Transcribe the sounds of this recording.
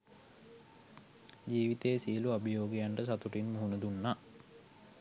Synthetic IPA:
d͡ʒiːʋit̪eːsijəluabəjoːɡijaɳɖəsat̪uʈinmuɦunəd̪unːa

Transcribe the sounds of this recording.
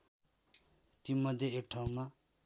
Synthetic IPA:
t̪imʌd̪ʱjeekʈʰaw̃ma

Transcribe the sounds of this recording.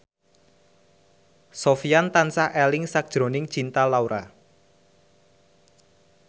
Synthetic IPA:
sofiant̪ansaʔɛlɪŋsak̚d̥ʒ̥ɾo̤nɪŋt͡ʃint̪alauɾʔa

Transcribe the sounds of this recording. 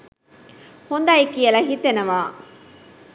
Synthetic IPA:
hond̪aːikijɐlɐɦit̪ːenɐʋaː

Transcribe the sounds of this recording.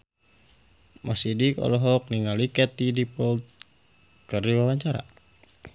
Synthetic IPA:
masidikɔ̰lɔɦɔk̚niŋalikɛt̪idipɔlt̪̚ | kərdiwawaɲt͡ʃaɾa̰

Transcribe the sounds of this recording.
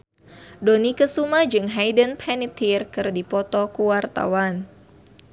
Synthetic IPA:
dɔnikəsumahd͡ʒɨŋɦajdənpʰɛnit̪ʰirkɨrdipɔt̪ɔkuwart̪a̰wan

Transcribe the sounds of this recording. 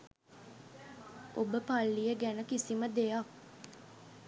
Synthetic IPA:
obəpalːijəɡænəkisiməd̪ejak

